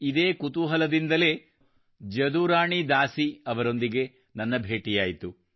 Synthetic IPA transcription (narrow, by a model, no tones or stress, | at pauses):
id̪eːkut̪uɦɐlɐd̪ind̪ɐle̞ː | d͡ʒɐd̪uːɾaːɳid̪aːsiɐʋɐɾo̞nd̪iɡe̞ | nɐnːɐbʱeːʈijaːjit̪u